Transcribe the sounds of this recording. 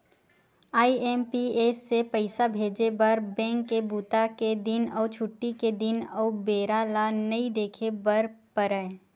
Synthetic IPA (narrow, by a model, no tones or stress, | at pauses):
aːiɛːmpieːsːepəɪsabʱeːd͡ʒebɐɾbɛ̃ːŋkːebuːt̪aked̪ɪnɔːt͡ʃʰʊʈːiked̪ɪnɔːbeːɾalanɐĩd̪eːkʰebɐɾpəɾəe